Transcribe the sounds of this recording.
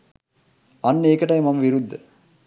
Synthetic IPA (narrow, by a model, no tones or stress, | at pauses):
ɐnːəeːkəʈɐjmɐmɐʋiɾud̪ːə